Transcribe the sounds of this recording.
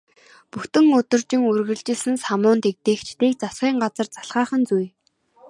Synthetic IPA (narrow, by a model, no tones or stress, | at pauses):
puxt̪ɘ̆ŋɵt̪ɵ̆rt͡ɕɪ̆ŋurɣɘ̆ɮt͡ɕɪ̆sɘ̆nsamʊːnt̪ek̚t̪eːxt͡ɕʰt̪eːk̚t͡sasɢiːŋɢat͡sə̆rt͡saɬʁaːχə̆nt͡suj